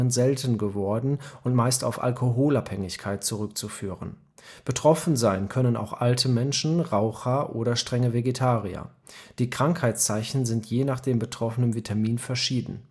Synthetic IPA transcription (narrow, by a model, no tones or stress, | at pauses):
ənzɛltn̩ɡəvɔɐdn̩ʔʊntmaɪsta̰ʊfa̰lkʰoɦoːlaphɛŋɪçkʰaɪt̚t͡suʁʏk̚t͡sufyːʁən | b̥ətʁ̥ɔfn̩zaɪnkʰœnəna̰ʊxʔaltʰəmɛnʃn̩ʁaʊxɐʔoːɾɐʃtʁ̥ɛŋəveɡetʰaːʁiɐ̰ | d̥iːkʁ̥aŋkhaɪt͡st͡saɪçn̩zɪntjeːnaːχd̥eːmbətʁ̥ɔfənənvitʰamiːnfɛɐʃiːdn̩